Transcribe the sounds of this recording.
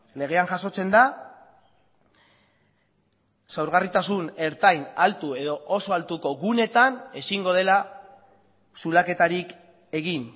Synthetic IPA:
le̞ɣ̞e̞aŋʝaso̞t͡se̞nd̪a | sawɾɣ̞arit̪asune̞ɾt̪ajnalt̪ue̞ðoʔoso̞alt̪uko̞ɣune̞t̪ane̞siŋɡo̞ðe̞la | sulake̞t̪aɾik | e̞ɣin

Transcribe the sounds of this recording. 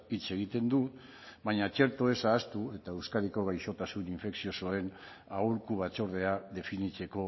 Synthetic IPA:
it͡se̞ɣ̞it̪e̞nd̪u | baɲat͡ʃe̞ɾt̪o̞e̞saːst̪ue̞t̪aewskaɾiko̞ɣ̞ajʃo̞t̪asuniɱfe̞ksio̞so̞e̞n | auɾkuβat͡so̞ɾð̞e̞aðe̞finit͡se̞ko̞

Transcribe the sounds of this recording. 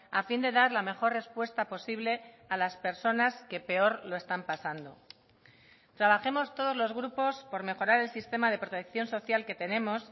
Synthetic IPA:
afind̪e̞ðaɾlame̞xo̞rre̞spwe̞st̪apo̞siβle̞ | alaspe̞ɾso̞naske̞peo̞ɾlo̞e̞st̪ampasand̪o̞ | t̪ɾaβ̞axe̞mo̞st̪o̞ð̞o̞zlo̞zɣɾupo̞spo̞ɾme̞xo̞ɾaɾe̞lsist̪e̞maðe̞pɾo̞t̪e̞k̚θjo̞nso̞θjalke̞t̪e̞nẽ̞mo̞s

